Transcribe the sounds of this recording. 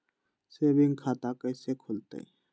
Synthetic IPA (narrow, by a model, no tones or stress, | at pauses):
seːbɪ̃ŋɡkʰaːt̪akəjsekʰʊlt̪ḛi